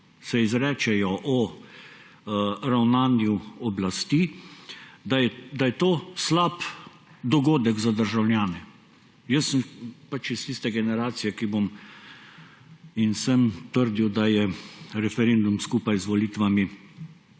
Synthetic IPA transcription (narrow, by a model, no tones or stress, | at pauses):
sɛizɾɛːt͡ʃɛjɔʔɔ | ɾawnaːnjuɔblast̪iː | d̪aɛd̪ajɛt̪oːslap | d̪ɔɡoːd̪ɛɡzad̪əɾʒawlʲjaːnɛ | jəsəmpat͡ʃist̪ist̪ɛɡɛnɛɾaːt̪sijɛkibom | insəmt̪əɾd̪iwd̪ajɛɾɛfɛɾend̪umskuːpajzʋɔliːt̪ʋami